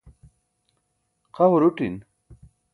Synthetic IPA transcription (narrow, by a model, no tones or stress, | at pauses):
qaɦuɾuʈin